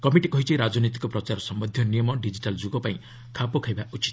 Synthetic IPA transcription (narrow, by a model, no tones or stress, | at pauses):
kɔmiʈikɔɦit͡ʃʰiɾad͡ʒɔnit̪̬i̥kɔpɾɔt͡ʃaɾɔsɔmbɔd̪ʱjɔnijɔmɔɖid͡ʒiʈald͡ʒuɡɔpaĩ | kʰapɔkʰajbaʔut͡ʃi̥t̪